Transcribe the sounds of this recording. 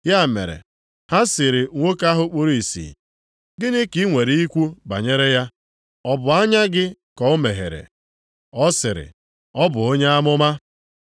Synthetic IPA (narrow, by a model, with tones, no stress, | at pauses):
ja˦˨mḛ˨ɾḛ˨ | ha˦sɪ˨ɾɪ˨ŋʷo˦ka˦ɦʊ˦k͡pu˦ɾi˨sḭː˨ | ɡɪ˦nɪ˦ki˦ŋʷe˨ɾi˦i˦kʷu˦ba̰˨ɲe˦ɾe˦ja˦ | ɔ˦bʊ˨a˦ɲa˦ɡɪ˦kɔ˨o˦me˨ɦḛ˨ɾḛ˨ | ɔ˦sɪ˨ɾɪ̰˨ | ɔ˦bʊ˨o˦ɲe˦a˦mʊ˦ma˦